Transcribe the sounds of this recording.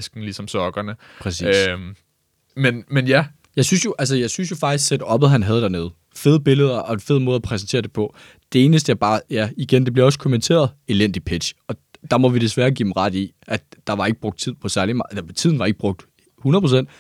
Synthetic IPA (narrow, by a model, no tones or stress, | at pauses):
sɡ̥n̩lisɒ̽msɒɡ̥ɐnə | pʰʁɛsḭːøs | menmenjæ | jɑ̈ɪsynsjo̝ʔælsəjɑ̈ɪsynsjo̝fɑ̈ɡ̥d̥isɡ̥sed̥ɒ̽b̥ðˠɦænɦæð̞ˠd̥æɐne̝ːð̞̩ˠ | fe̝ð̞ˠəb̥e̝ləð̞ˠɐʔɒ̽ed̥fe̝ð̞ˠmɔːð̩ˠæpʰʁɛs̬n̩t͡sʰe̝ːɐd̥e̝pʰɒ̽ | d̥e̝e̝ːnəsd̥əæɐb̥ɑ̈ːjæiɡ̥end̥e̝b̥liɐɒ̽s̬ə̥kʰo̝ment͡sʰe̝̰ːɐð̞ˠe̝len̰d̥ipʰe̝d̥ɕɒ̽d̥ɑ̈mɒ̽ʋid̥e̝sʋæːɐɡ̥ḭ̥ːm̩ʁɑ̈d̥iʔæd̥ːɑ̈ʋɑ̈e̝ɡ̥əb̥ʁɔ̽ɡ̥̚d̥̚t͡sʰið̰ˠpʰɒ̽sæɐlimɑt͡sʰið̰ˠn̩ʋɑ̈e̝ɡ̥əb̥ʁɔ̽ɡ̥̚d̥ | hunɐðˠpʰʁosen̰d̥